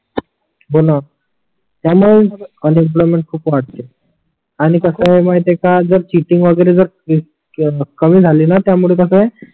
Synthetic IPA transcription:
bona | t̪jamuɭed͡zəɾənimp̬lɔjmeɳʈ̚kʰuːpʋaɽ̚t̪e | aɽ̃ikəsəmait̪ekad͡zəɾt͡ɕiʈiŋɡʋəɡəɾed͡zəɾ | kəmiːd͡zʱaliːnat̪jamuɭekəsəe

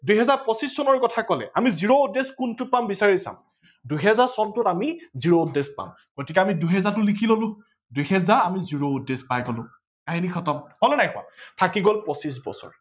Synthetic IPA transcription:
duɦɛzaɹpɔsisːɔnɔɹkɔtʰakɔlɛ̰ʔamiziɹoudeskuntʊpambisaɹisa̰m | duɦɛzaɹsɔntʊtamiziɹoudespa̰m | ɡ̥otikɛamiduɦɛzatʊlikʰilolʊ̃ | dujɦɛzaɹamiziɹoudːespajɡɔlʊ̃ | aɦinikʰɔtɔmhɔlnajkʊa̰tʰakiɡolpɔsisbɔ̰sɔ̰ɹ

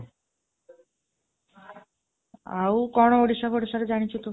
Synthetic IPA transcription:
awkɔnooɽiʃaboɽiʃaɾed͡ʑanit͡ɕʰit̪o

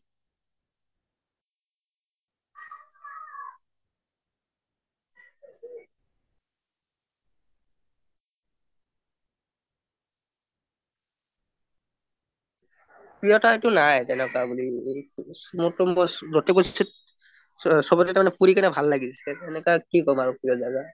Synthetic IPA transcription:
pɹijɔtaetʊnajtɛnɛkɔabuli | mutɔmɔjzɔtekossit | sɔbɔtɛtaɹmanɛpʰuɹikɛnɛbʱalːaɡisɛtɛnɛkakikɔmaɹupɹijɔzaɡa

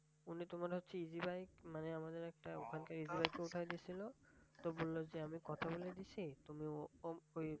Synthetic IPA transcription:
unitʊmaɾɦotːsʰiizibajkmanɛamadeɹɛk̚taṵkʰankaɹizibajkeutʰajdisilɔt̪ɔbolːɔzɛamikɔt̪ʰaboledisitumioj

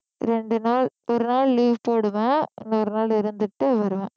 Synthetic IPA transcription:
ɾɛɳɖɯnaːɭɔɾɯnaːɭliːʋpoːɽɯʋẽːɪŋɡɐɔɾɯnaːlɪɾɯnd̪ɯʈːɯʋɐɾɯʋẽː

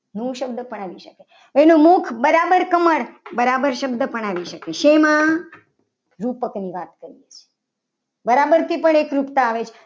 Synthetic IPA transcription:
nũʃəbd̪əpəɳ̃aʋiʃəke | enũmukʰbəɾabəɾkəməɽbəɾabəɾʃəbd̪əpəɳaʋiʃəkeʃemã | ɾupəkniʋat̪kəɾijet͡ʃʰe̥ | bəɾabəɾt̪ʰipəɳ̃ekɾupt̪aːʋet͡ʃʰe̥

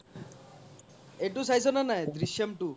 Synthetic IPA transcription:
eʈusajsɔnanajd̪ɾiʃjemʈu

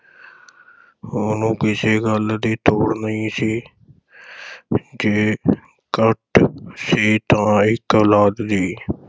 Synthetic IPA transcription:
ʊnũːkɪseːɡəld̪iːt̪oːɽnəĩːsiː | d͡ʒeː | kəʈsiːt̪ãːɪkoːlaːd̪d̪iː

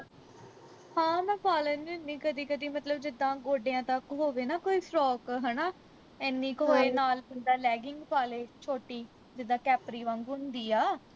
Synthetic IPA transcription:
hãːmɛ̃ːpaːləninːĩːkəd̪iːkəd̪iːmət̪ləbd͡ʒɪd̪ːãːɡoːɖeːãːt̪akɦoːʋeːnaːkoːiːsɾɔːkɦɛːnaː | ɪnːĩːkoːeːnaːlɪnd̪aːlɛːɡɪŋɡpaːleːt͡ʃʰoːʈiː | d͡ʒɪd̪ãːkɛːpɾiːʋãːŋɡɦʊnd̪iːaː

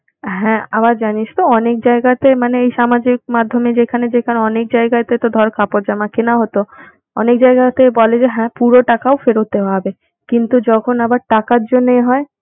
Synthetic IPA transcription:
ɦɛ̃abaɾd͡ʑaniʃt̪oɔnek̚d͡ʑaeɡat̪emaneejʃamad͡ʑik̚mad̪ʱːomed͡ʑekʰaned͡ʑekʰaneɔnek̚d͡ʑaeɡat̪et̪od̪ʱɔɾkʰapoɾd͡ʑamakenaɦot̪o | ɔ̰nek̚d͡ʑaeɡat̪ebɔled͡ʑeɦɛ̃puɾoʈakaofeɾot̪ːeɦabe | kint̪ud͡ʑɔkʰonabaɾʈakaɾd͡ʑonːejɦɔe

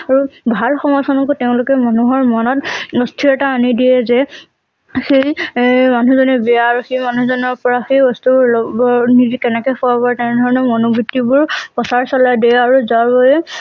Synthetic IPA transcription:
aɹubʱalxɔmɔjsɔnɔkuteʊ̃lʊkɛmanuɦɔɹmɔnɔtɔstʰiɛtaːnidiɛzɛ | xejmanuzɔnɛbɛaːɹuxejmanuzɔnɔɹpɔɹaxejɔstʰubɹlɔbɔnizikɛnɛkɔxɔabɔtɛndʱɔɹɔnɔmɔnobitːibʊɹpɔsaɹsɔlajdɛaɹuzabɔjɛ

